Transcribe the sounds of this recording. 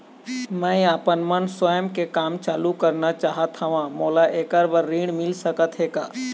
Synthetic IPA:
mɛ̃ːĩaːpənmənswəjəmkekaːmt͡ʃaːlukəɾnat͡ʃaːɦət̪ʰaʋãːmoːlaʔeːkəɾbəɾːiːɽ̃mɪlsəkət̪ɦeːkaː

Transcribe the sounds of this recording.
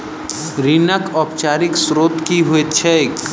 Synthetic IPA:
ɾinəkɔːp̚t͡ʃaːɾɪksɾoːt̪kiɦoet̪t͡ʃʰɛ

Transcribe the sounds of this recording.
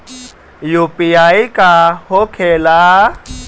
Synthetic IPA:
jupiaikahokʰeːla

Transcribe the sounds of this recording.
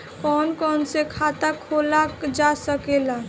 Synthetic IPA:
kɔnkɔnsekʰat̪akʰolad͡ʒasəkela

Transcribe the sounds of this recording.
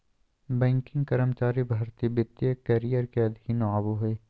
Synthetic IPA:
bɛ̃ːŋkɪ̃ŋɡkɐɾəmt͡ʃaːɾibʱɐɾt̪ibɪt̪jəkɐɾijəɾkeɐd̪ʱɪkinoaːboɦeː

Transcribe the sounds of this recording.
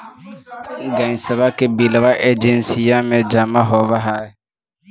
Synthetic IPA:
ɡãɲĩsaβakɛbilaβaʔɛd͡ʒɛnsijamɛd͡ʒamaɦɔβaɦa

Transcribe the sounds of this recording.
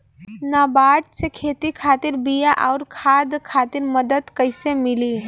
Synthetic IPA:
nabaʈsekʰet̪ikʰat̪iɾbijaʔaʊɾkʰad̪kʰat̪iɾməd̪əd̪kəɪsemili

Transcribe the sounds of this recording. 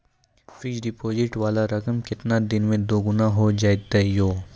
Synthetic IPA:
fʰɪd͡ʒɖɪpoːd͡ʒɪʈʋaːlaɾɐkəmkɪt̪nad̪ɪnmẽd̪oːɡʊnaɦod͡ʒaːet̪ːɛjoː

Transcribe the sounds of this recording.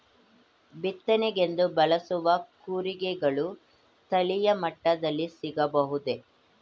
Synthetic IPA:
bit̪ːɐnɛɡe̞nd̪ubɐlɐsuʋɐkuːɾiɡɛɡɐɭu | t̪ɐlijɐmɐʈːɐd̪ɐlːisiɡɐbɐɦud̪e

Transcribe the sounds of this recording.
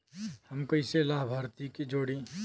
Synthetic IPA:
hɐmkɐiselaːɦbʱaːɾt̪ikid͡ʒoːɽi

